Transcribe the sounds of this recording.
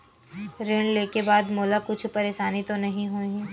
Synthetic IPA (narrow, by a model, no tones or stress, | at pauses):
ɾeːɳleːkebaːd̪moːlakʊt͡ʃʰpɐɾeːʃaːnit̪onɐɦĩɦoĩ